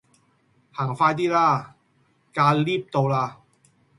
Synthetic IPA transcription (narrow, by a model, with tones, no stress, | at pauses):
haː˨˩ŋfaː˧jt̪iː˥laː˧˥˩ | kaː˧liː˥˩p̚t̪o˧wlaː˧